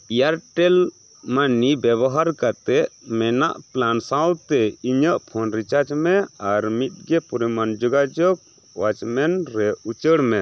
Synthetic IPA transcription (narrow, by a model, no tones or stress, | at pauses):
ijaɾʈɛl | manibjɛβɔɦaɾkat̪ɛʔmɛna̰ʔplansãwt̪ɛiɲəʔpʰɔnɾit͡ʃaɾd͡ʒmɛaɾmit̪̚ˀɡɛpuɾimand͡ʒɔɡad͡ʒɔk̚ | wat͡ʃmɛnɾɛut͡ʃəɽmɛ